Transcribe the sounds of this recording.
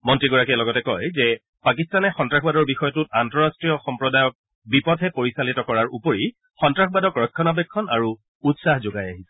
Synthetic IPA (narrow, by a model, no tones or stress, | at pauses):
mɔntɹiɡɔɹakiɛlɔɡɔtɛkɔjzɛ | pakistanɛxɔntɹaxbadɔɹbixɔjɔtut̚antɔɹastɹijɔxɔmpɹɔdajɔk̚ | bipɔdʱɛpoɹisalitɔkɔɹaɹupoɹi | xɔntɹaxʰbadɔkɹɔkʰːɔnabɛkʰːɔnaɹu | utsahzoɡajaɦisɛ̥